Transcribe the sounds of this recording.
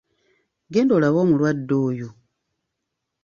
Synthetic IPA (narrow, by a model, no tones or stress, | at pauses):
ɡeːndolaβoːmulwadːoːjo